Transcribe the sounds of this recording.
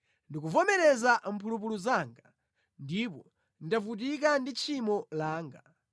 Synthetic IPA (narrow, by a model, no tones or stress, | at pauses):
ndik̬uvɔmɛɾɛzam̩pʰulup̬uluzaːŋɡa | ndip̬ɔ | ndavut̬ikandit͡ʃʰimɔlaːŋɡa